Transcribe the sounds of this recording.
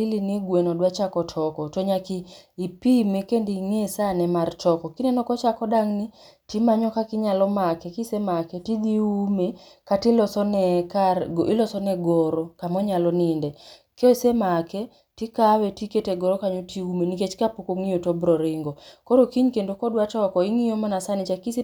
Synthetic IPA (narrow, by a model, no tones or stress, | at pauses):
iliniɡwɛnɔdwat͡ʃakɔtʰɔkɔtɔɲakiipimekendiŋesanɛmart͡ʃɔkɔkinɛnɔkɔt͡ʃakɔdaŋni | timaɲɔkakɪɲalɔmakɛkisɛmakɛtid̪iume | katilɔsɔnɛkaɡʔilɔsɔnɛɡɔɾɔkamɔɲalɔnindɛkesemakɛ | tikawɛtiketeɡɔɾɔkaɲotiumeniket͡ʃkapokoŋijotɔbɾɔɾɪŋɡɔkɔɾokiɲkendokɔdwat͡ʃɔkɔiŋijomanasanɪt͡ʃakisi